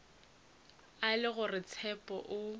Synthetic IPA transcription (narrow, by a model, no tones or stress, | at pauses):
alɪɣʊrɪt͡sʰɛpʼɔ̰ʔʊ